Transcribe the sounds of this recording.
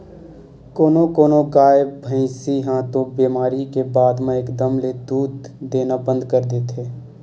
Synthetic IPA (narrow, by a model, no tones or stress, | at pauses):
koːnokoːnoɡaːjebʱə̃ɪ̃siɦãt̪obiːmaːɾikebaːd̪mẽekd̪əmled̪uːd̪d̪eːnabə̃nd̪kəɾd̪eːt̪ʰɦeː